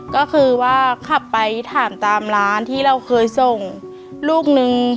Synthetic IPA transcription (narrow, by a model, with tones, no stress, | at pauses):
kɔː˥˩kʰɯː˧waː˥˩kʰa˨˩pːa˧jt̪ʰaː˩˦mt̪aː˧mlaː˦˥nt̪ʰiː˥˩ɾa˧wkʰɤː˧jso˨˩ŋ | luː˥˩k̚nɯ˧ŋ